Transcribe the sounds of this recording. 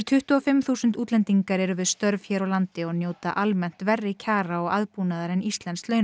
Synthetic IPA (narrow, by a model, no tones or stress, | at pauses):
ɾt̪ʰʏht̪ʏɔfɪmθuːsʏnt̪uːt̪lɛnt̪iŋkaɾɛɾʏvɪðst̪œɾvçɛːɾawlant̪ɪɔɣnjoːwt̪aʔalmɛn̥t̪vɛrːɪcʰaːɾaɔɣaðpunaðaɾɛnist̪lɛnslœːɥn